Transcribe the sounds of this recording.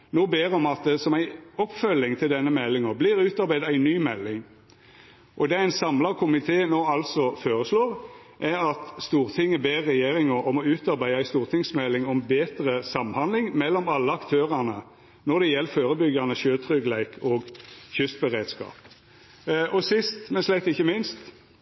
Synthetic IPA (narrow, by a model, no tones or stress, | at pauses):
noːbeːʁɔmɑt̪̚d̪ɛsɔmæɪɔpːfœlːɪŋt̪ʰɪld̪ɛnːəmɛlːɪŋɑblɪʁʉːt̪ɑɾbæɪd̪ɑæɪnyːmɛlːɪŋ | ʔɔd̪ɛæɪnsɑmlɑʁkʰʊmɪt̪ʰeːnoːɑlsɔfoːʁəsloːʁ | ʔæɾɑt̪st̪uːʁt̪ʰɪŋːəbeːʁɛjeːɾɪŋəɔmɔʉːt̪ɑɾbæɪəæɪst̪uːʁt̪ʰɪŋsmɛlːɪŋɔmbeːt̪ʁəsɑmːhɑnd̪lɪŋmɛlːɔmɑlːəɑkt̪ʰøːʁɑnə | nɔʁd̪ɛjɛlːføːʁəbʏɡɑnəʃøːt̪ʰɾʏɡlæɪkʰɔɡçʏst̪bɛʁeːd̪skɑ̰ːp | ʔɔsɪst̪mɛnslæɪt̪ɪçːəmɪnst̪